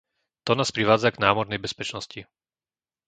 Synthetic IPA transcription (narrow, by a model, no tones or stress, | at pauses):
t̪ɔnaːspɾiʋaːd͡zaɡnaːmɔɾnɛjbɛspɛt͡ʃnɔsci